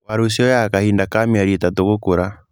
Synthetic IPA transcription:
waɾosiɔjakahindakamiaɾitatoɣokoɾa

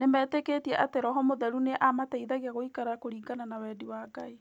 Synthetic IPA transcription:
nemɛːtekeːtiɛʔateɾɔɦɔmoðɛɾuneʔamatɛiðaɣiaɣoikaɾakoɾiːɡananawɛdiwaːɡae

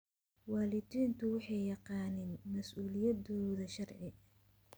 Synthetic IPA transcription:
wɑːlɪd̪iːnt̪ʰʊwɑħɑjjɑqɑːnɪnmɐsʔuːlɪjɐdɔːðɐʃɐrʕɪ

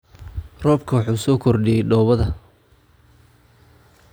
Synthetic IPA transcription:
rɔːbkʰɐwɑħuːsɔːkʰɔrɖɪjɛjɖɔːβɐðɐ

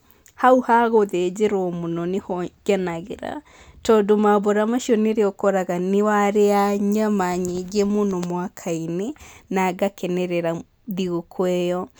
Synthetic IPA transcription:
hauhaɣoðed͡ʒeɾomonɔnehɔɡanaɣeɾa̰ | tɔdomabɔɾamaʃjɔneɾeɔkɔɾaɣanewaɾeaɲamaɲeɡemonomwakʰainenaɡakɛnɛɾɛɾa | ðiɣokʰwɛjɔ

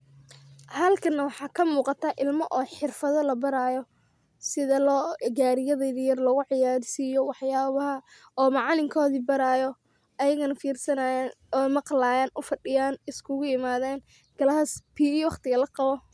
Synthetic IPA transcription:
hɐlkʰɐnːɐwɑħɑːkʰɐmuːqɑt̪ʰɐʔɪlmɔʔɔːħɪrfɐðɔlɐbɐɾaːjɔ | sɪðɐlɔːɡaːɾɪjɐðɛðɪjɐrlɔɣʊʕɪjaːɾɪsiːjɔwɑħjaːβɐɦɐ | ɔːmɑʕɑlɪŋkʰɔːðibɐɾaːjɔ | ɐjɐɣɐnɐfiːrsɐnaːjaːn | ɔːmɑqlaːjaːnʊfɐɖɪjaːnɪskʰʊɣʊɪmaːðɛːn | ɡ̥ɐlɐɦɐspʰiːiwɑχt̪ɪɣɐlɐqɑβɔ

